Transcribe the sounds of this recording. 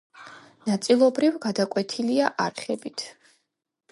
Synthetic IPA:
nat̪sʼilˠɔbɾivɡad̪akʼwɛt̪ʰiliaʔaɾχɛbit̪ʰ

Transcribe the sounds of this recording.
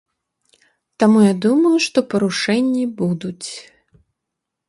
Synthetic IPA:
t̪amujad̪umɐjuʂt̪ɔpɐɾuʂɛnʲːibud̪ut͡sʲ

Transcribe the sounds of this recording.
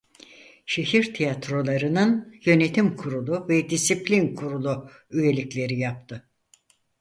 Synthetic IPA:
ʃe̞ɦiɾt̪ʰijat̪ɾo̞lˠaɾɯnɯnjø̞ne̞t̪ʰimkʰuɾulˠuvɛd̪isiplʲinkʰuɾulˠu | yje̞lʲiclʲe̞ɾijap̚t̪ʰɯ

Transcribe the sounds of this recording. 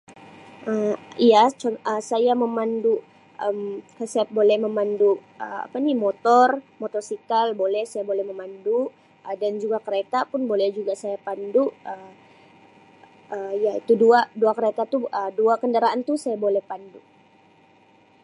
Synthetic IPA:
ʔəijat͡ʃɔnəsajaməmanduʔ | əmkasajabolɛhməmanduʔəa̰panimot̪ɔrmot̪ɔrsikalbolɛhsajabolɛhməmanduʔ | ədand͡ʒuɡakəɾet̪apʊnbolɛhd͡ʒuɡasajapanduʔə | əjait̪uduaʔduakəɾet̪at̪uəduakəndaɾaant̪usajabolɛhpanduʔ

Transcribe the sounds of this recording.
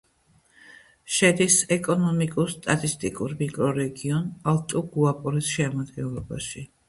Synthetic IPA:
ʃɛd̪isɛkʼɔnɔmikʼuɾst̪ʼat̪ʼist̪ʼikʼuɾmikʼɾɔɾɛɡiɔnalˠt̪ʼuɡuapʼɔɾisʃɛamad̪ɡɛlˠɔbaʃi

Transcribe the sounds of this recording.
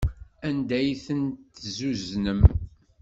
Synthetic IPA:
ænd̪æjθəntt̪zuznəm

